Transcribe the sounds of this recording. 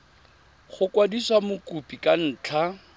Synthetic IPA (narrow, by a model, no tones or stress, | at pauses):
χʊkwadiswamʊkupʼikʼan̩ːt͡ɬʰa